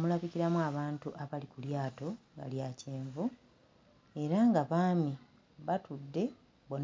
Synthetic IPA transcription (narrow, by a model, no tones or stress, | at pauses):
mulaβiciɾamuaβaːntuʔaβalikuljaːto̞ŋɡa̰ljaːce̞ːɱvu | e̞ɾaŋɡaβaːmi | βatudːe̞ | bon